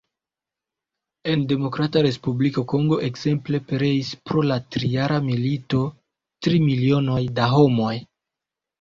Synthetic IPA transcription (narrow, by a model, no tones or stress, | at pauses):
e̞nde̞mo̞kɾataɾe̞spublikoko̞ŋɡo̞ʔekz̥e̞mple̞peɾe̞ispɾo̞latɾijaɾamilito | tɾimilio̞no̞jdaɦo̞mo̞j